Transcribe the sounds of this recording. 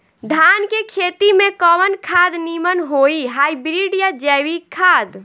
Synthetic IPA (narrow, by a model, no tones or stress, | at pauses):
d̪ʱankekʰet̪imẽkɔwənkʰad̪nimənɦoiɦajbɾiɖjad͡ʒɛwikʰad̪